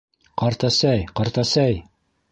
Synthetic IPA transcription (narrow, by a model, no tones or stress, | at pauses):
qɑɾt̪ɑsæjqɑɾt̪ɑsæj